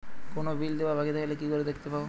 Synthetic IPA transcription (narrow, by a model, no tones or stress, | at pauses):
konobild̪eʋaɾbʱaɡit̪akalekikoɾed̪ekʰt̪epabo